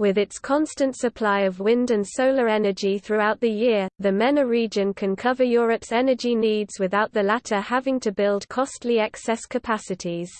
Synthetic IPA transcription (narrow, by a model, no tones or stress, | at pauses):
wɪðɪtskʰɒ̃nstə̃ntsəpʰl̥aɪəvwɪ̃ndə̃nsəʊləɹɛnəd͡ʒiθɹuaʊʔðəjɪəðəmɛ̃nəɹiːd͡ʒə̃nkʰə̃nkʰʌvəjɔːɹəpsɛnəd͡ʒiniːdz̥wɪðaʊʔðəlatʰəhavɪ̃ŋtʰəbɪlˠdkʰɒstʰliɛksɛskʰəpʰasɪtʰiz̥